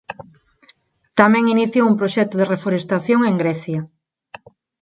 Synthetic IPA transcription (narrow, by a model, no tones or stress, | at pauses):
t̪amɛ̃ŋiniθjoumpɾoʃɛt̪ʊðerefoɾest̪aθjoŋeŋɡɾɛθjɐ